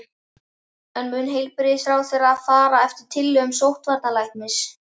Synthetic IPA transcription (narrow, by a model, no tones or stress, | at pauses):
ɛnmʏːnɦejlpɪɾɪsɾaːwθjɛːɾaːðfaːɾaɛft̪ɪ̥ɾ̥t̪ʰɪlːœːɣʏmsowht̪vaɾt̪nalajhk̚nmɪs